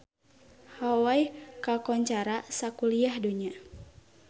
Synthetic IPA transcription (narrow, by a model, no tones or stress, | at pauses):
hawajkakɔɲt͡ʃaɾasakuliahduɲa